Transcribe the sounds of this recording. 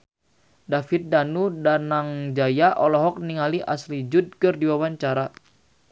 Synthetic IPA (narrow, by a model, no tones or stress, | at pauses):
dafit̪̚danudanaŋd͡ʒajaʔɔlɔɦɔk̚niŋaliʔa̰slid͡ʒud̚kɨrdiwawaɲt͡ʃaɾa